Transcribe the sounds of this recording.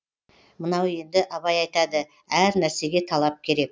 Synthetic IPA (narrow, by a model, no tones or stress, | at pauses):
mənɑwe̞nd̪ɪʔɑβɑjɑjt̪ɑd̪ə | æɾnæɾse̞ɡʲe̞t̪ʰɑlˠɑp̚kʲʰe̞ɾe̞k̚